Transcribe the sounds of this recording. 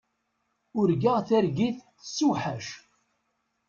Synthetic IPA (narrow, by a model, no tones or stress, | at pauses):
ʊɾɡaʁθæɾɡiθ | sːuħæʃ